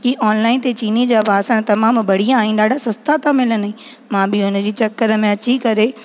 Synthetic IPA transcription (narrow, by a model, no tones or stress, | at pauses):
kiʔɔːnlaːɪnt̪et͡ɕiːnid͡ʑaːpaːsəɽ̃t̪ɐmaːmbɐɽ̤ijãːɦɪnɪ̆ɗaːɖʱasɐst̪at̪ãmɪlənɦĩ | mãːbɪʊnəd͡ʑiːt͡ɕɐkːəɾəmẽɐt͡ɕikɐɾe